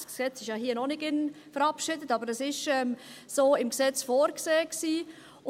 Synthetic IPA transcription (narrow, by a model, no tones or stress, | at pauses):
ksɛt͡sɪʃjɑɦiːnɔnɪɡɪnfəɾɑpʃɪdətɑːbəɾɛsɪʃɛmsoːɪmksɛt͡sfoːɾkseːksiː